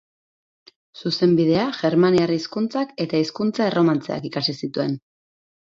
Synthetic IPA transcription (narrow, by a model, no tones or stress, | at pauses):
suse̞mbiðe̞aʝe̞ɾmaniariskunt͡sake̞t̪aiskunt͡sae̞ro̞mant͡se̞̰a̰kikasisit̪ue̞n